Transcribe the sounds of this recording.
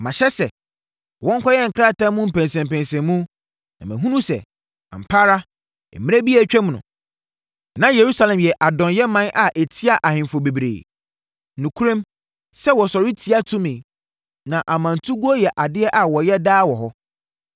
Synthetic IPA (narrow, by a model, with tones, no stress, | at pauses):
mã˨ɕɛ˦sɛ˨ | wɔ̃˦ŋ˦kʰɔ˦jɛ˦ŋ̩˨kʰɾa˦˨tʰã˦mʊ̃˦m̩˨pʰæ̃˨nsɛ̃˨m˨pæ̃˨nsɛ̃˨mmũ˦ | nã̰˨mɛ̃˨ɦũ˦nũ˦sɛ̰˨ | ã̰˨m̩˨pʰa˦ɾa˦ | ɛ̰˨mɪ̃˦æ˦bi˦a˨t͡ɕᶣɛ̃˦mnʊ̰̃˨ | nã˦je˨ɾu˦sa˦lɛ̃˨mjɛ˨ʔa˨dɔ̃˨njɛ˦mã˦nʔa˨ʔe˨tʰi˦a˦ʔa˨hɪ̃˨fo˨be˨bɾḛː˨˦ | nũ˨kʰu˦ɾɛ̃˦m | sɛ˦wɔ˨sɔ˨ɾɪ˦tʰi˦a˦tʰũ˦mẽ˨ | nã˨ʔa˨mã˨n˨tʰu˦ɡu˦ɔ˦jɛ˨ʔa˨dɪ˦ɛ˦ʔa˨wɔ˨jɛ˦daː˦wɔ˨ɦɔ˦